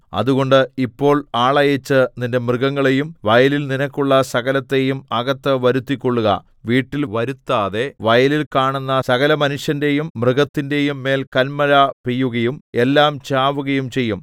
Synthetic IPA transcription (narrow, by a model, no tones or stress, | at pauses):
ɐ̰ðuɣo̞ɳɖɨipːo̞ːɭaːɭɐjɐt͡ɕːɨninde̞mrɨɣɐŋːɐɭe̞jumʋɐjɐlilninɐkʲːuɭːɐsɐɣɐlɐt̪ːe̞jumɐɣɐt̪ːɐʋɐɾut̪ːikʲːo̞ɭːuɣɐ̰ | ʋiːʈːilʋɐɾut̪ːaːðe̞ʋɐjɐlilkaːɳunːɐsɐɣɐlɐmɐnuʂjɐnde̞jumːrɨɣɐt̪ːinde̞jumːe̞ːlkɐnmɐlapijːuɣɐjume̞lːaːmt͡ɕaːʋuɣɐjumt͡ɕe̞jːum